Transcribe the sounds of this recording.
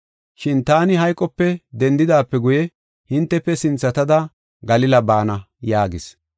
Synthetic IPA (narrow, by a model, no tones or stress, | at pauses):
ʃɪnt̪aːnɪɦɐjkʼːɔpːɛd̪ɛnd̪ɪd̪aːpːɛɡʊjɛ | hɪnt̪ːɛpːɛsɪnt͡sːɐt̪ɐd̪ɐ | ɡɐlɪlɐbaːnɐ | jaːɡɪs